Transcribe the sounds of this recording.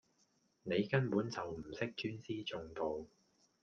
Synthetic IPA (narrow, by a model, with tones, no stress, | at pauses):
ne˨˧jkɐ˥npuː˨˥nt͡sɐ˨wm̩˨˩sɪ˥k̚t͡ʃyː˥nsiː˥t͡sʊ˨˧ŋt̪o˨w